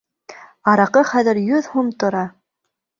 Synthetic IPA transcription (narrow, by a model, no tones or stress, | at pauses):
ɑɾɑqɤχæðɘ̆ɾjɵðhumt̪ŏɾɑ